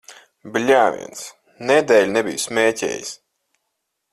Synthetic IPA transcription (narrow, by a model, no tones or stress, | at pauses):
blʲaːvʲḭɛns | nɛd̪ɛːlʲnɛbḭjsmʲeːcʲḛːjḭs